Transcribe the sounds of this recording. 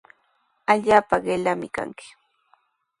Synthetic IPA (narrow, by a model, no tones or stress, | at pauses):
aʎaːpaɢelamɪka̰ŋkɪ̥